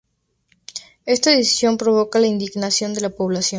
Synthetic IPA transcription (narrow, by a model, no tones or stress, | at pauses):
e̞st̪aeðisjo̞mpɾo̞βo̞kalaind̪iɣnasjo̞nd̪e̞lapo̞β̞lasjõ̞